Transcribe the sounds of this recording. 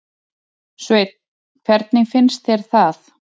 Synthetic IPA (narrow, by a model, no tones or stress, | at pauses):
svejt̪̚ | kʰvɛɾt̪nɪɣfɪnst̪θjɛɾ̥θaθ